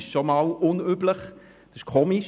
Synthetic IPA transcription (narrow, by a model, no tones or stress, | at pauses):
ʃʃomɑlʊnybləχ | d̥ɑɪʃkʰoːmiʃ